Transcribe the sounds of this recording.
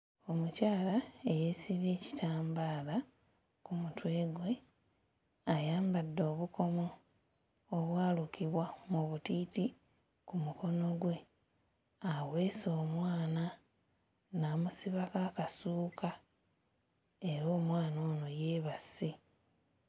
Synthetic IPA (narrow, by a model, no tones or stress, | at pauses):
o̞mucaːlae̞jesiβe̞ːci̥tʰaːmbaːla | kumutwe̞ːɡwe̞ | ajaːmbadːo̞ːβuko̞moː | βwaːlukiβwamuβutiːti | kumuko̞no̞ɡwe̞ | awe̞ːso̞ːmwaːna | naːmusiβakaːkasuːka | e̞ɾo̞ːmwaːno̞ːno̞je̞ːβasi